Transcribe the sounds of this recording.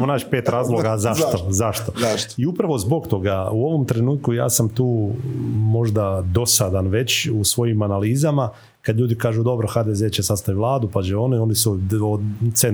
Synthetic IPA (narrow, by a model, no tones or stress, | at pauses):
monaːt͡ʃpeːt̪ɾaːzlˠoɡazaʃt̪ozaʃt̪o̞iupɾaʋo̞zbo̞kt̪o̞ɡauo̞ʋo̞mt̪ɾe̞nuːt̪̚kuja̰ːsamt̪uː | mo̞ʒd̪ad̪o̞sad̪anʋe̞t͡ɕusʋo̞jimanaliːzama | kad̪ʎʲuːd̪ikaːʒud̪o̞bɾoxaːd̪ezet͡ɕesast̪aʋiʋlˠaːd̪upat͡ʃeo̞neo̞nisuose